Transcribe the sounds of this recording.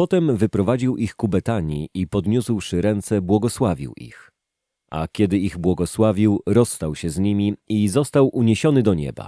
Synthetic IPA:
pɔt̪ɛmvɘpɾɔvad͡ʑiwʔixkubɛt̪aɲiʔipɔd̪ɲuswʂɘɾɛnt̪sɛbwɔɡɔswavʲḭwʔḭx | ʔa̰kʲɛd̪ɘiɣbwɔɡɔswavʲiwɾɔsːt̪awɕɛzɲimʲiizɔst̪awʔuɲeɕɔnɘd̪ɔɲɛ̰ba̰

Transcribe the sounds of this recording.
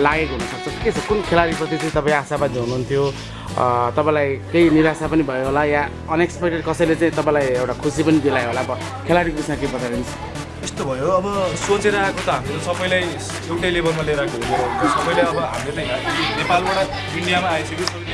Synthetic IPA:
laɡekoɦunʌsʌk̚t͡sʰʌ̃ket͡sʰʌkunkʰelaɾiprʌt̪it͡siĩt̪ʌpaĩasabad̪iɦunuɦunt̪ʰjo | t̪ʌpãĩlajkejniɾasapʌnibʱʌjoɦolaja | ʌnekspekʈeɖ̚kʌsʌjlet͡saĩt̪ʌpãĩlajewʈakʰusipʌnid̪elajoɦolaʌbʌ | kʰelaɾikbismakebʌt̪aenisʰʌ | est̪obʱʌjoʌbʌsot͡seɾʌakot̪ʌɦamletʌsʌbʌjlaj | ewʈajlebʱʌrmaleɾʌkoɦuneɾʌunt̪ʰʌsʌbʌjleʌbʌɦamilet͡saj̃kainepalbaɽa | inɖijamaːjt͡sʰʌkis

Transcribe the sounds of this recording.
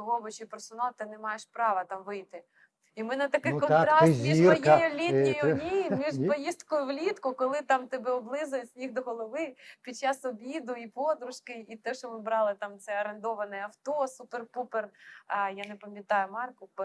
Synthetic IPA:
ɦɔbɔt͡ʃijpersɔnɑlˠt̪ɪnɛmɑjeʃpɾɑʋɐt̪ɑmʋɪjt̪ɪ | imɛnɛt̪ɐkɛkɔnɾɑzmʲiʒiɔjjɛlʲiʊjʊnʲimʲiʒpɔjist̪kɔjʊʋlʲit̪kʊkɔlˠɪt̪ɑmt̪ɛbɛɔblˠɪzʊjejʲixd̪ɔɦɔlˠɔʋɪpʲid̚t͡ʃːɑsɔbʲid̪ʊipod̪ɾʊʃkɪit̪ɛʃɔmɪbɾɑlˠɪt̪ɑmt̪sɛɐɾend̪ɔʋɐnɛɐft̪ɔsuperpuperjanepɐmʲjɐt̪ɑjʊmɑrkʊp

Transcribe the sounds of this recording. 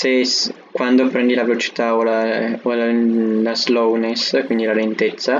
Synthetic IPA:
ses | kwand̪opɾɛnd̪ilavelot͡ʃi̥t̪aolaolalazlowneskwind̪ilalent̪et̪sːa

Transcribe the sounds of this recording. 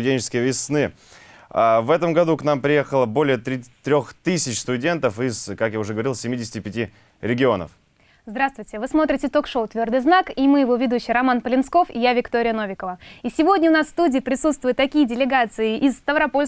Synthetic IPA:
ʊdʲenʲt͡ɕɪ̥skʲəjəvʲɪsnɨ | avɛt̪əmɡɐd̪uknampɾʲɪje̞xəlˠəbo̞lʲɪjət̪ɾʲt̪ɾʲoxt̪ɨsʲɪt͡ɕst̪ʊdʲe̞nt̪əfɪzkakjaʊʐɛɡəvɐɾilˠsʲɪmʲidʲɪsʲɪtʲɪpʲɪtʲi | ɾʲɪɡʲɪo̞nə̰f | zd̪ɾast̪vʊjtʲɪvɨsmo̞t̪ɾʲɪtʲɪt̪o̞kʂoʊt̪vʲo̞rd̪ɨjznakimɨjɪvovʲɪd̪uɕːɪjɾɐmanpəlʲɪnsko̞fɪ̰javʲɪkt̪o̞ɾʲɪjəno̞vʲɪkəvəisʲɪvo̞dʲnʲəʊnassːt̪udʲɪːɪpɾʲɪsut̪st̪vʊjɪt̪ːɐkʲijədʲɪlʲɪɡat̪sɨɪʔɪsːt̪əvɾɐpolʲ

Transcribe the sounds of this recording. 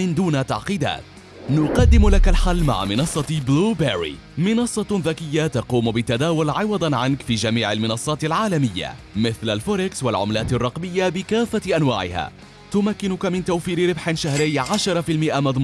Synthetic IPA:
ɪnd̪uːnat̪ɑ̰ʕqiːd̪a̰ːt̪ | nʊqɑd̪ːɪmlakalħalːma̰ʕ̰mɪnɑsˤːɑbluːbaɾḭ | mɪnɑsˤːɑðakɪjːat̪ɑquːmbɪt̪ad̪aːwʊlʕɪwɑd̪ˤɑnʕankfiːd͡ʒamiːʕalmɪnɑsˤːɑːt̪alʕaːlamɪjːa̰ | mɪθlalfʊɾɪkswalʕʊ̰mlaːt̪arˤːɑqmɪjːabɪkaːfːaʔanwaːʕɪ̰ha̰ː | t̪ʊmakːɪnʊkamɪnt̪awfiːɾɪɾɪbħɪnʃahɾɪjːʕaʃɑɾˤɑfiːlmɪʔamɑðˤmu

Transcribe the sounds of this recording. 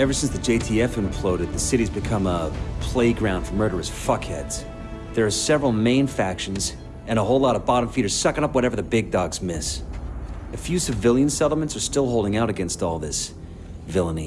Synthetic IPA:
ɛvə˞sɪ̃nsðɨd͡ʒeɪtʰiɛfɨ̃mpʰl̥oʊɾɨd̪̚ðɨsɪɾizbɨkʰʌ̃məpʰl̥eɪɡɹãʊ̃nd̥fə˞mɜ˞ɾə˞ɨsfʌkhɛdz̥ | ðə˞ːsɛvɹl̩ˠmẽɪ̃nfækʃn̩z | ɨ̃ñəɦoʊlɑɾʌvbɑɾ̃ɱfiɾə˞z̥sʌkɨ̃nʌpwʌɾɛvə˞ðɨbɪɡ̚dɑɡzmɪs | ɨfjʉsɨvɪlˠjɨ̃nsɛɾl̩ˠmɨ̃ntsə˞stɪlˠoʊlˠdɪ̃ŋaʊɾɨɡɛ̃nstɔlˠðɪs | vɪlˠənḭ

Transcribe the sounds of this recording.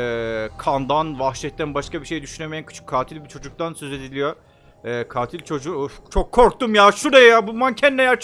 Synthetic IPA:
ɛːkʰand̪anvaxʃɛt̪̚ːænbaʃkabiʃe̞jd̪yʃyne̞meænkʰɯ̥t͡ʃʰɯ̥kʰːaːt̪ʰilʲbit͡ʃʰo̞d͡ʒuk̚t̪ansø̞ze̞d̪ilʲijo̞ | ɛːkʰaːt̪ʰilʲt͡ʃʰo̞d͡ʒut͡ʃʰokʰːoɾkt̪umjaːʃuɾejejaːbunˠmancʰɛnnejæɾt͡ʃ

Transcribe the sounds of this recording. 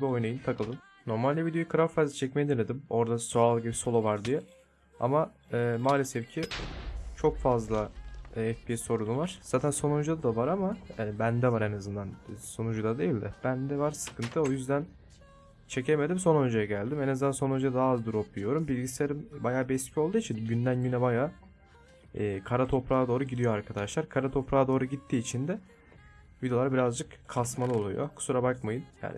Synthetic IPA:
bio̞jnajɯnt̪ʰakʰɯlˠɯm | no̞ɾmalʲd̪ʲɛvid̪eukʰɯɾaɾfazat͡ʃʰɛc̚mejɛd̪inʲed̪imo̞ɾd̪asoalˠɟibiso̞lˠovaɾd̪ijɛ | a̰ma | ɛːmaːlʲesɛfcʰi | t͡ʃʰo̞kfazlˠaɛfpijɛso̞ɾunuvaɾ̥z̥aːt̪ʰænso̞nund͡ʒud̪ad̪avaɾamabænd̪ɛvaɾenazɯnd̪anso̞nund͡ʒud̪ad̪e̞jilʲd̪ɛb̥ænd̪ɛvaɾsɯ̥kʰɯnt̪ʰɯo̞jyzd̪æn | t͡ʃʰe̞cʰeme̞d̪imso̞nø̞nd͡ʒejɛɟælʲd̪imenazɯnanso̞nø̞nd͡ʒɛd̪ɛd̪aːzd̪uɾo̞pʰujo̞ɾumbilʲɟisleɾimbajaːbiɛscʰʲyo̞lˠd̪uːit͡ʃʰinɟynd̪ænɟynɛbajaː | ɛːkʰaɾat̪ʰo̞pɾaːd̪o̞ːɾuɟid̪ijo̞aɾkʰad̪aʃlˠaɾkʰaɾat̪ʰo̞pɾaːd̪o̞ːɾuɟit̪ʰːiːt͡ʃʰind̪ɛ | vid̪e̞lˠaɾbiɾazd͡ʒɯkkʰːasmalˠɯo̞lˠṵjo̰kʰu̥suɾabakmajɯnja̰ni

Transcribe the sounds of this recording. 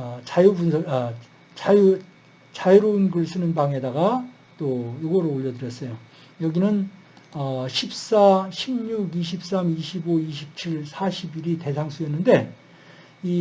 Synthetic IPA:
t͡ɕajubunsʰʌʌ | t͡ɕaju | t͡ɕajuɾounɡɯɭs͈ʰɯnɯnbaŋe̞daɡa | t͈ojoɡʌɾooʎːʌdɯɾjʌs͈ʌjo | jʌɡinɯn | ʌɕʰip̚s͈aɕʰimɲuɡiɕ̬ʰip̚s͈amiɕʰiboiɕʰip̚t͡ɕʰiɭsʰaɕʰibiɾite̞sʰaŋsʰujʌnːɯnde̞ | i

